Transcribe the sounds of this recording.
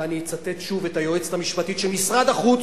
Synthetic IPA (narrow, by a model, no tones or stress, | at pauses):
anit͡sat̪et̪ʃuvetajoet͡stamiʃpat̪it̪ʃelmisʁad̪aχu